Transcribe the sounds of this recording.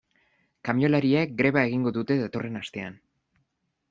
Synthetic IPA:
kamjo̞laɾiek̚ɡɾe̞βae̞ɣiŋɡo̞ðut̪e̞ðat̪o̞re̞nast̪e̞an

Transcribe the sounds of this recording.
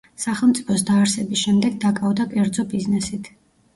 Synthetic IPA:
saχɛlˠmt̪sʼi̥pʰɔsd̪aːɾsɛbisʃɛmd̪ɛɡ̚d̪akʼavd̪akʼɛɾd̪zɔbiznɛsit̪ʰ

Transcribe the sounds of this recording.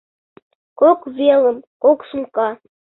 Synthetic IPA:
kokvʲelˠə̆mkoksuŋkɑ

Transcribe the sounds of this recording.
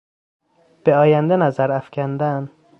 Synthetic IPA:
b̥eɒːjænd̪enæzæɾæfcʰænd̪æn

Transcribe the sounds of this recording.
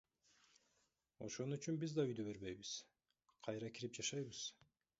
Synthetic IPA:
o̞̰ʃo̞nuyt͡ʃynbizd̪ɑyjd̪yβe̞ɾβe̞jβiz̥ | qʰɑjɾɑkiɾip̚d͡ʒɑʃɑjβɯz̥

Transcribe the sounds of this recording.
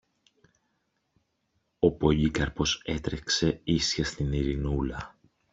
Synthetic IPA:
o̞po̞ʎikɐɾpo̞se̞t̪ɾe̞kse̞isçɐst̪iniɾinulɐ

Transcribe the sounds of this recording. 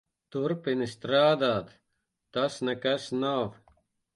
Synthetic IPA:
t̪uɾpinist̪ɾaːd̪aːd̪ | t̪ɐsnɐkɐsnaːw

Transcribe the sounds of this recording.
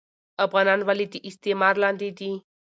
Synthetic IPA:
ɐfɣanaːnʋalit̪iʔist̪emaːɾlãːnd̪it̪i

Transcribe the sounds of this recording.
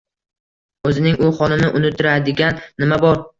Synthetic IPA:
ɵzɪnɪŋʊχɒnɪnɪʔʊnɪt̪ʰːɪɾad̪ɪɡʲanːɪmabɒɾ

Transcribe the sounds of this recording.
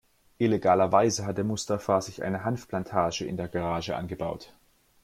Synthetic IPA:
ʔɪleɡaːlɐvaɪzəɦatdəmʊstɐfaːɐzɪçʔa̰ɪnəɦanfplantʰaːʒəɪ̰ndeːɐɡaʁaːʒəʔa̰nɡəbaʊt

